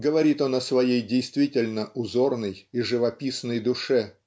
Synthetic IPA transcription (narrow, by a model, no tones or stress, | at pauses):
ɡəvɐɾʲit̪o̞nəsvɐjejdʲɪjst̪vʲitʲɪlʲnəʔʊzo̞rnəjiʐɨvɐpʲisnəjd̪ʊʂɛ